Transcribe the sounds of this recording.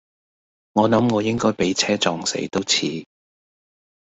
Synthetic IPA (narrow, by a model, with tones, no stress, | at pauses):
ŋɔː˨˧nɐ˨˥mŋɔː˨˧jɪ˥ŋkɔː˥jpe˨˥jt͡sʰɛː˥t͡sɔː˨˧ŋsḛ˨˥jt̪o˥wt͡sʰiː˨˧